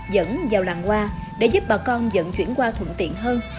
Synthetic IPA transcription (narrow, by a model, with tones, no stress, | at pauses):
zə̰˧˥nzaː˨˩wlaː˨˩ŋkwaː˧ɗḛ˧˩˦zu˦˥p̚ɓaː˨˩kɔ˧nzə̰˧˨nt͡ɕwḭ˧˩ənkwaː˧t̪ʰwə̰˧˨nt̪ḭ˧˨ənɦəː˧n